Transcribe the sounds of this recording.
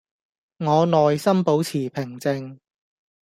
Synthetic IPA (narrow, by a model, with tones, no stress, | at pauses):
ŋɔː˨˧nɔː˨jsɐ˥mpo˨˥wt͡sʰiː˨˩pʰɪ˨˩ŋt͡sɪ˧ŋ